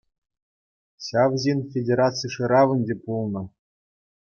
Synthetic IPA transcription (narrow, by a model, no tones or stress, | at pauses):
ɕɑʋʑinʲfʲedʲeɾɑt͡sɨjʂɯɾɑʋɘ̆nʲd͡ʑʲepulˠnɤ̆